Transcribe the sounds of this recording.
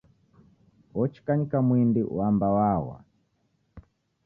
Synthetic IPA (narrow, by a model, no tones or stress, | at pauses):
ɔt͡ʃi̥kaɲikamwindiwambawawa̰